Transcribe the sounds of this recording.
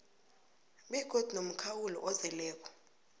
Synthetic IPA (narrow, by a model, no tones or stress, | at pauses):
ɓɛɡ̥ʱod̥ʱinom̩kʰawulɔ̰ʔɔzɛlɛːk̬ʼɔ̥